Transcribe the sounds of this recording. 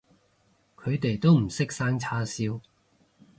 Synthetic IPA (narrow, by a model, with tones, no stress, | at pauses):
kʰɵ˨˧ɥt̪e˨jt̪o˥wm̩˨˩sɪ˥k̚saː˥ŋt͡sʰaː˥siː˥w